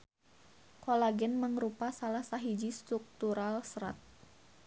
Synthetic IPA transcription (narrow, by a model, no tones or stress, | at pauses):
kolaɡɛnməŋɾupasalahsaɦid͡ʒist̪ɾuk̚t̪uɾalsɾa̰t̪̚